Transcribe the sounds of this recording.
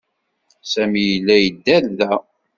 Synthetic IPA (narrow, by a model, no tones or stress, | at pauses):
sæmijəlːæjəd̪ːælðæ